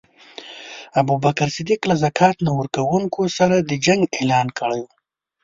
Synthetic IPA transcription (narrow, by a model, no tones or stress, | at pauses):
abubakaɾsɪd̪iklazakʰɑt̪nawəɾkawuŋkʰosaɾad̪əd͡ʒaŋɡelɑnkəɽaju